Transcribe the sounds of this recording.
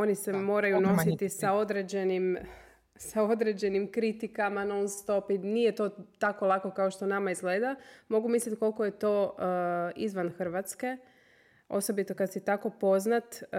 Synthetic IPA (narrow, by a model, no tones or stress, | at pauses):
o̞nisemo̞ːɾajuno̞sit̪isao̞d̪ɾed͡ʑe̞nim | sao̞d̪ɾed͡ʑe̞nimkɾit̪ikamanonst̪o̞pinijet̪o̞t̪ako̞lˠako̞kaoʃt̪o̞namaizɡleːd̪amo̞ɡumislʲit̪ko̞lˠkoje̞t̪o̞ | izʋanxr̩ʋat̪ske̞ | o̞̰so̞bit̪o̞kad̪sit̪ako̞po̞znat̪